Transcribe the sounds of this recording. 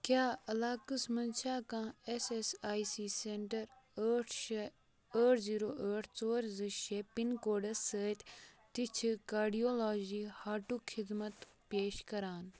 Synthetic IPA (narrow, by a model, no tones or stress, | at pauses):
kjaːɐlaːkɨsmɐnʃaːkãːesesaːjsiːseːɳʈɐɾəʈʰ | əːʈʰziːɾoːʔəːʈʰt͡soːɾzɨʃeːpiŋkoːɖɐsəːt̪ʲt̪it͡ʃʰikaːɾɖijoːlaːd͡ʒiːhaːʈuːkʰɪd̪mɐt̪ | peːʃkɐɾaːn